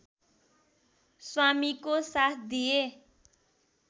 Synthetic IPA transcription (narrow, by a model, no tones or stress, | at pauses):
swamikosat̪ʰd̪ije